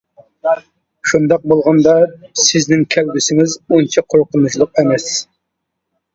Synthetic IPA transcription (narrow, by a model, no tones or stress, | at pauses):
ʃund̪ɑq̚bolˠʁɑnd̪ɑsɪznɪŋkʲʰælbɪsɪŋɪzunt͡ʃʰɑqʰoɾqʊnut͡ʃʰlˠʊqemɛs